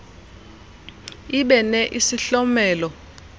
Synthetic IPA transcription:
iɓɛnɛʔisiɬɔmɛːlɔ

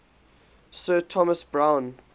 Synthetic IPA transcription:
sɜːtʰɔməsbɹãʊ̃n

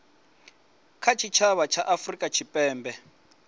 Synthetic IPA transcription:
kʰat͡ʃʰit͡ʃʰaβat͡ʃʰaʔafrikʼat͡ʃʰipʼɛːmbɛ

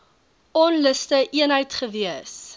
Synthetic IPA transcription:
ɔnləstəʔiənɦəjtχəviəs

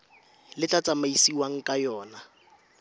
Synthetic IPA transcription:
lɪt͡ɬʼat͡sʼamaisiwaŋ̩kʼajɔːna

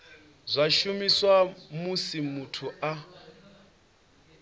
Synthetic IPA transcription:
zʷaʃumiswamusimutʰua

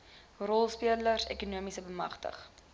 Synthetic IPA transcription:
rɔlˠspiələrsḛkunuəmisəbəmɐχtə̰χ

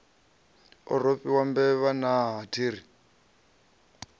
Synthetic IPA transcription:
ɔ̰ropʼiwambɛβanaɦatʰiːɾi

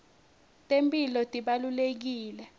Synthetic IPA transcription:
tʼempʼilɔtʼiɓalulek̬iːlɛ

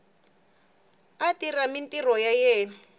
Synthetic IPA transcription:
atiramintirɔjajɛːn

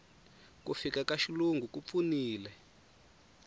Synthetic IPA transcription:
kufikakaʃiluŋɡukup̪funiːlɛ

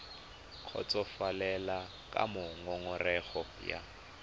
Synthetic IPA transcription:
q͡χʰɔ̰t͡sʼɔfalɛla | kʼa̰mʊŋɔŋɔrɛɣɔ | ja̰

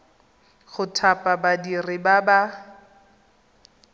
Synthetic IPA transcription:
χʊtʰapʼabadirɪbaba

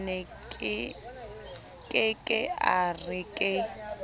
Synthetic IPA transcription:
nɛkʼɪ | kʼɪkʼɪarɪkʼɪ

